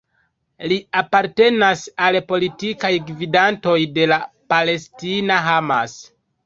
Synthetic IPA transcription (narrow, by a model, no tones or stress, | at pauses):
liapaɾte̞nasalpo̞litikajɡvidanto̞jde̞la | pale̞stinaɦama̰s